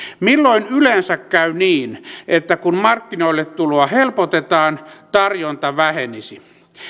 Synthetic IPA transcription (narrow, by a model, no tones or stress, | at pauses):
milːoinylensækkæyniːnʔet̪ːækunmɑrkːinoilːet̪t̪uloɑhelpot̪et̪ɑːnt̪ɑrjont̪ɑʋæhenisi